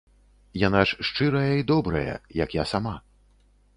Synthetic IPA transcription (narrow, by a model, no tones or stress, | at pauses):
janaʂʂt͡ʂɨɾɐjɐid̪ɔbɾɐ̰jɐ̰jɐkjasama